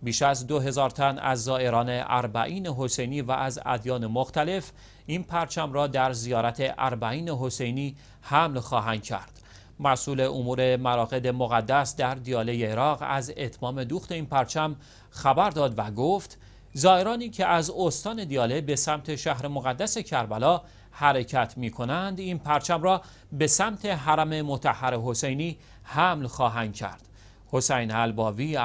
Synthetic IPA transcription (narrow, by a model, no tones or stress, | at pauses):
biːʃæzd̪oɦe̞zɒːɾt̪ʰænæ̰zːɒːe̞ɾɒːne̞ʔæ̰ɾbæ̰ʔiːne̞ɦo̞se̞jniːvæ̰ʔːzæ̰d̪jɒːne̞moxt̪æle̞f | inpʰæɾt͡ʃʰæmrɒːd̪æɾzijɒːɾæt̪ʰe̞ʔæ̰ɾbæiːne̞ɦo̞se̞jniː | hæmlxɒːɦænd̪̥cʰæ̰ɾd̪̥ | mæsuːle̞ʔomuːɾe̞mæɾɒːɣe̞d̪e̞moɣæd̪ːæsd̪æɾd̪ijɒːle̞jeːɾɒːɣæ̰ze̞t̪ʰmɒːme̞d̪uːxt̪e̞iːnpʰæɾt͡ʃʰæm | xæbæɾd̪ɒːd̪væɡoft̪ | zɒːeɾɒːniːcʰe̞ʔæzost̪ɒːne̞d̪ijɒːle̞be̞sæmt̪ʰe̞ʃæhɾe̞mo̞ɣæd̪ːæse̞cʰæɾbælɒː | hæɾe̞cʰæt̪ʰmiːkʰo̞nænd̪inpʰæɾt͡ʃʰæmrɒː | be̞sæmt̪ʰe̞ɦæɾæme̞mot̪ʰæhːæɾeɦo̞se̞jniː | hæmlxɒːɦænd̪̚cʰæ̰ɾd̪̥ | ho̞sejnælbɒːviː